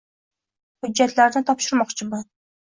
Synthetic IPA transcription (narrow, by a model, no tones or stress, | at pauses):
hʊd͡ʒːat̪laɾnɪt̪ʰɒpʃʊɾmɒqt͡ʃʰɪmʊ